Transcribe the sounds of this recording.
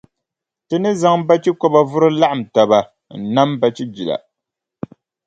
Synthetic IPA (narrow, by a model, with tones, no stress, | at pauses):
tɨ˦nɨ˦za˦ŋba˦t͡ʃi˦kɔ˦ba˦vʊ˦ɾɨ˦la˦ʔa˨m̩˨ta˨ba˨ | n̩˨na˦mba˦t͡ʃi˦d͡ʒi˨la̰˨